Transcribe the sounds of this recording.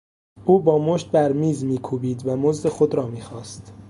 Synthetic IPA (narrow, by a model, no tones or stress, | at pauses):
ʔuːbɒːmoʃt̪̚bæɾmiːzmiːkʰuːbiːd̪væmozd̪e̞xod̪ɾɒːmiːxɒːst̪